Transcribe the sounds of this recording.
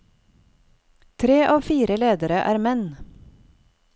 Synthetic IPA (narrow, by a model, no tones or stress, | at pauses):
t̪ʰɾeːʔɑːʋfiːɾəleːd̪əɾəʔæːɾmɛn